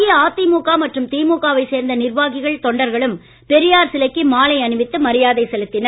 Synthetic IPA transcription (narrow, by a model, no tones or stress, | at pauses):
ɪaːt̪ːimuːkaːmɐʈrɯmt̪iːmuːkaːʋɐɪseːɾnd̪ɐnɪrʋaːɣɪɣɐɭt̪ɔɳɖɐɾɣɐɭɯm | pɛɾɪjaːɾsɪlɐkːimaːlɐɪɐnɯʋɪt̪ːɯmɐɾɪjaːðɐɪsɛlɯt̪ːɪnɐ